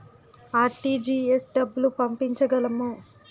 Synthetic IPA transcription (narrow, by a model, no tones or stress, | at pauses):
aːʈiːd͡ʒiːesɖɐbːulupɐmpiɲt͡ʃɐɡɐlɐmu